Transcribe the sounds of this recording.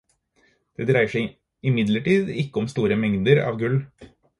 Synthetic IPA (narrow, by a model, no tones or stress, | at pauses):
d̪̥ɛːd̪ɾæɪəʂæɪ | ɪmɪd̪ləʈiːd̪ɪkːəɔmst̪uːɾəmɛŋd̪əɾɑ̰ːʋɡʉl